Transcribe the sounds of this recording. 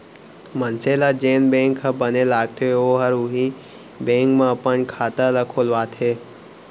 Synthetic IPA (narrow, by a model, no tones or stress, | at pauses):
mənselad͡ʒeːnbẽːŋkʰːabənelaːɡt̪ʰoeoːɦəɾʊɦi | bẽːŋkmãpənkʰaːt̪alakʰoːlʋaːt̪ʰɦeː